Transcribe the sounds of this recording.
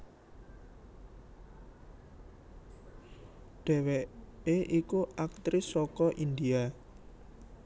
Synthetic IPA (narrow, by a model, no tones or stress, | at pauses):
ɖ̪̥ɛ̤wɛeʔikuak̚t̪ɾɪsɔkɔʔind̪ia